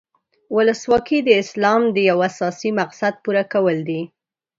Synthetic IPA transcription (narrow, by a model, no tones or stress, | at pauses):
wʊləswɑkid̪əɪslɑmd̪əjawasɑsimaqsad̪̚puɾakawəld̪i